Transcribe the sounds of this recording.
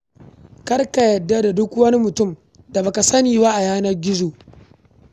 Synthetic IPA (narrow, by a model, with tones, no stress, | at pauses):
kɐ˦rka˨jɐ˨dːa˦da˨dʊ˦kwɐ˦ni˦mʊ˨tʊ˦˨m | da˨ba˨ka˨sɐ˦niː˨ba˦ʔa˨jaː˦nɐ˦rɡʲɪ˦zoː˨ʔ